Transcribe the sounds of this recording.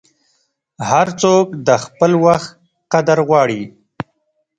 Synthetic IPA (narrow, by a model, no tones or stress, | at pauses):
haɾt͡sokd̪əxpəlwaxt̪ | qad̪aɾɣwɑɽi